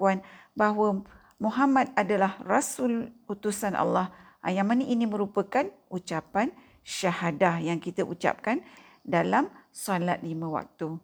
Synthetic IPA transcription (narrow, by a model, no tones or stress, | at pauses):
uanbaɦwə | mũɦamãt̪̚adalahrasulut̪usanʔa̰lːah | ʔa̰jaŋmanəʔinimə̃ɾupəkanut͡ʃapan | ʃahadahjaŋkit̪aʔut͡ʃa̰p̚kan | dalamsalat̪̚limə̃wa̰k̚t̪u